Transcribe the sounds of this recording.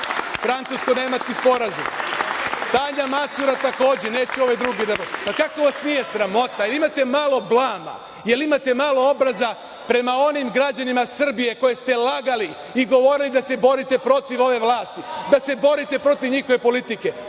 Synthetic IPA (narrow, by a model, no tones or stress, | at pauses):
fɾant̪suskone̞mat͡ʃkispo̞ɾazum | t̪aɲamat̪suɾat̪ako̞ːd͡ʑene̞ːt͡ɕɛo̞ʋe̞d̪ɾuːɡed̪aopakako̞ʋasnije̞sɾamo̞t̪ajelimat̪e̞maːlˠo̞blˠaːma̰ | je̞limat̪e̞maːlo̞o̞bɾaza | pɾe̞mao̞nimɡɾad͡ʑanimasr̩bije̞ko̞je̞st̪e̞laɡali | iɡo̞ʋo̞ɾilid̪ase̞bo̞ɾit̪e̞pɾo̞t̪iʋo̞ʋe̞ʋlaːst̪id̪ase̞bo̞ɾit̪e̞pɾo̞t̪iʋɲixo̞ʋe̞po̞lit̪ike̞